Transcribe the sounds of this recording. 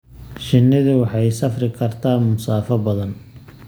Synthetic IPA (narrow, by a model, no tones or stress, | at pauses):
ʃɪnːɪðʊwɑħɑjsɐfrɪkʰɐrt̪ʰaːmʊsaːfɐbɐðɐn